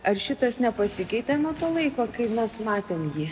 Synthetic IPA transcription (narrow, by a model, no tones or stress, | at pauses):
ɐrʃʲɪt̪ɐsnʲɛpɐsʲɪkʲɛɪt̪ʲeːnuɔt̪oːlˠɐɪkoːkɐɪmʲɛsmɑːt̪ʲeːmjiː